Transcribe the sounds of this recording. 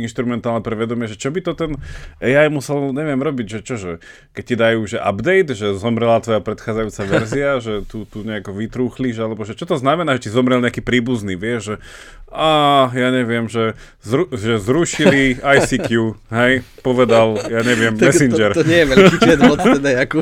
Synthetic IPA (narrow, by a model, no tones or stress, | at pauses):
inʃt̪ɾumɛnt̪aːlnɛpɾɛʋɛd̪ɔmɪɛʒɛt͡ʃɔbit̪ɔt̪ɛnɛjaːjmusɛlɲɛʋɪɛmɾɔbiɟʒɛt͡ʃɔʒɛ | kɛc̚cid̪ajuːʒɛʔa̰bd̪ɛjd̪ʒɛzɔmɾɛlat̪ʋɔjapɾɛt̪xaːd͡zajuːt͡saʋɛɾziaʒɛt̪ut̪uɲɛakɔʋit̪ɾuːxliʒalɛbɔʒɛt͡ʃɔt̪ɔznamɛnaːʒɛsizɔmɾɛlɲɛakiːpɾiːbuzniːʋɪɛʒʒɛ | ʔaːjaːɲɛʋɪɛmʒɛ | zɾuʒɛzɾuʃiliajsikjuɦɛjpɔʋɛd̪aljaːɲɛʋɪɛmːɛsind͡ʒɛɾɲɛjɛmɛɔɛd̪ɛaku